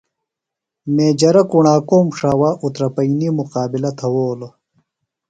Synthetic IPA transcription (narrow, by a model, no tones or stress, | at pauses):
meːd͡ʑɐɾɐkuɳaːkoːmʂaːwaːʔut̪ɾɐpɐinimuqaːbilɐt̪ʰɐwoːlo